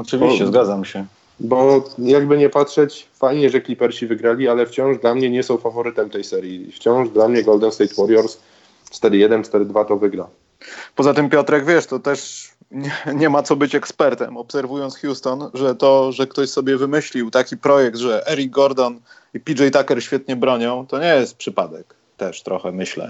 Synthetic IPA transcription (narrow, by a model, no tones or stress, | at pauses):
ɔt͡ʂɨvʲit͡ɕɛzɡad̪zamɕɛ | bɔjaɡbɘɲɛpatʂɛt͡ɕfajɲɛʐɛklʲipɛɾɕivɘɡɾalʲialɛft͡ɕɔ̃w̃ʐd̪lamɲɛɲɛsɔ̃w̃favɔɾɘt̪ɛmt̪ɛjsɛɾʲjift͡ɕɔ̃w̃ʐd̪lamɲɛɡɔld̪ɛnst̪ɛjt̪wɔɾjɔɾs | fst̪ɛd̪ɘjɛd̪ɛnst̪ɛd̪ɘd̪vat̪ɔvɘɡɾa | pɔzat̪ɘmpʲjɔt̪ɾɛɡvʲjɛʂt̪ɔt̪ɛʂ | ɲɛɲɛmat̪sɔbɘt͡ɕɛkspɛɾt̪ɛmɔpsɛɾvujɔnt̪sxʲjust̪ɔnʐɛt̪ɔʐɛkt̪ɔɕsɔbʲjɛvɘmɘɕlʲiwt̪akʲipɾɔjɛk̚t̪ʐɛʔɛɾiɡɡɔɾd̪ɔn | ipʲid͡ʐɛjt̪akɛɾɕfʲjɛt̪ɲɛbɾɔɲɔ̃w̃t̪ɔɲɛjɛst̪̚pʂɘpad̪ɛ̰k | t̪ɛʂt̪ɾɔxɛmɘɕlɛ̰